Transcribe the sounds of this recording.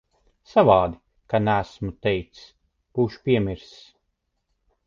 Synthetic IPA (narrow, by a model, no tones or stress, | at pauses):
savaːd̪i | kanæsmut̪ɛjt̪s | b̥uːʃu̥pʲiɛmiɾss